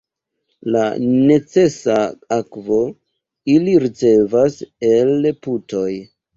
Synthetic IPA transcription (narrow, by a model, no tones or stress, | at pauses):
la̰ne̞t͡se̞saakvo̞ | iliɾit͡se̞vase̞lputo̞j